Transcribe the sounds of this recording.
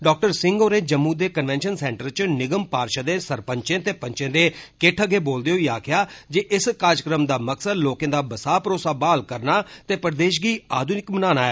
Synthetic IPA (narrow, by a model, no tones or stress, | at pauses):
ɖɔːk̚ʈəɾsɪ̃ŋɡoːɾeːd͡ʒəmːuːd̪eːkənʋɛːnʃənsɛːɳʈəɾt͡ʃnɪɡəmpaːɾʃəd̪eːsəɾpəɲt͡ʃẽːt̪eːpəɲt͡ʃẽːd̪eːkɪʈʰəɡeːboːld̪eːɦoiːaːkʰɪjaːd͡ʒeːʔɪskaːɾd͡ʒəkɾəmd̪aːməksəd̪loːkẽːd̪aːbəsaːpɾoːsaːbaːlkəɾnaːt̪eːpəɾd̪eːʃ̬ɡiːaːd̪unɪkmənaːnaːɛː